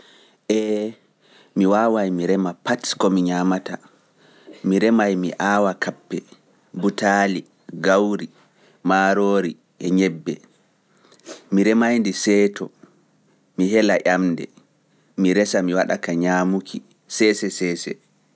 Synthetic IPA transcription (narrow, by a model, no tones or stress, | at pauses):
ʔɛ | miwaːwajmiɾɛmapatkɔmiɲamata | miɾɛmajmiʔaːwakʰapːɛ | butali | ɡawɾi | maːɾoːɾi | ʔɛɲɛbːɛ | miɾɛmajndisɛtɔ | miɦɛlaʔamdɛ̰ | miɾɛsamiwaɗa̰kaɲamukʰi | sɛsɛsɛːsɛ